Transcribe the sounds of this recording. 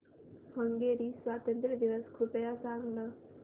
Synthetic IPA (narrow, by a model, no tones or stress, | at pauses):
hʌŋɡeɾiswaːt̪ənt̪ɾid̪iʋəskʰupejasaːŋnʌ